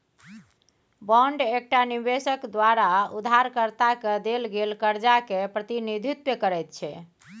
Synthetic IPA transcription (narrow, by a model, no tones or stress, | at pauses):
bəɳɖek̚ʈanibesəkd̪waɾaud̪ʱaɾkəɾt̪aked̪elɡelkəɾd͡ʒakepɾət̪inid̪ʱit̪wəkəɾɛjt̪̚t͡ʃʰɛ